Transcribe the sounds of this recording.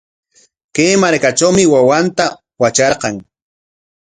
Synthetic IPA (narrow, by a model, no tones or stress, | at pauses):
kejmaɾkat͡ʃawmɪwawant̪a | wat͡ʃɑɾqɑŋ